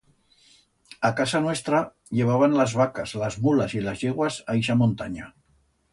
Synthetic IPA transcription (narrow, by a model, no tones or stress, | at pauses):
akasanwest̪ɾa | ʎeβ̞aβ̞anləzβakazlazmulazilazʎeɣwazajʃ̬amont̪aɲa